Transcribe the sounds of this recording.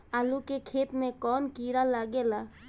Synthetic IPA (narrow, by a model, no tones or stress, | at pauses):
aːlukekʰeːt̪mẽkɔːnkiːɾalaɡela